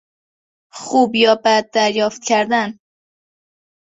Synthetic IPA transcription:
χuːbjɒːbæd̪̚ːæɾjɒːft̪̚kʲʰæɾd̪æn

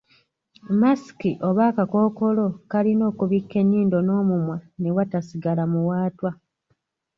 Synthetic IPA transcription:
masi̥kiʔo̞βaːkako̞ːko̞lo̞kalino̞ːkuβikːe̞nːiːndo̞no̞ːmumwane̞watasiɡalamuwaːtwa

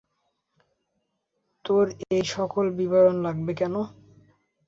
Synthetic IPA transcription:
t̪oɾejʃɔkolbibajonlaɡbekɛno

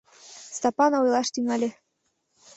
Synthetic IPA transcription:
st̪ɑpɑnɑujlˠɑʃt̪yŋɑlʲĕ

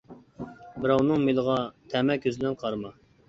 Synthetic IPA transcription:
bɪɾɑwnɨŋmelˠəʁɑt̪ʰɛmɛkʲʰːøzɪlɛnqʰɑɾmɑ

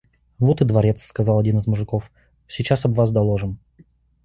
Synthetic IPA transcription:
vot̪ɨd̪vɐɾʲet̪sːkɐzɑlˠɐdʲinɨzmʊʐɨkof | sʲɪt͡ɕasɐbvasd̪ɐlˠoʐɨn

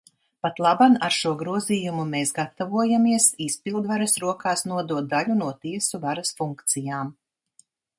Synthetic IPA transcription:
pat̪lˠabanaɾʃuɔɡɾuɔziːjumumeːsɡat̪avuɔjamiɛsispilˠd̪vaɾasɾuɔkaːsnuɔd̪uɔt̪̚d̪alʲunuɔt̪iɛsuvaɾasfuŋkt̪sijaːm

